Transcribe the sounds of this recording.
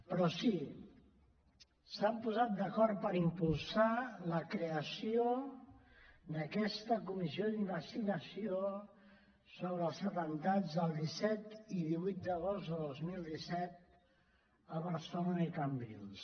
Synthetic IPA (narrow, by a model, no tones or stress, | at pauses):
pɾɔsi | sampuzat̪̚d̪əkɔɾt̪̚pəɾimpulˠsaləkɾeəsio | nəkɛst̪əkumiziod̪iməst̪inəsio | soβɾəːlˠzət̪ənt̪ad͡zðəlˠd̪isɛt̪iðiβujt̪̚d̪əɣ̞ozt̪d̪əðozmilˠd̪isɛt̪̚ | əβəɾsononikəmbḭls